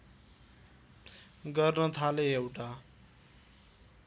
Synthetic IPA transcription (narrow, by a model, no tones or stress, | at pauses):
ɡʌrnʌt̪ʰaleewʈa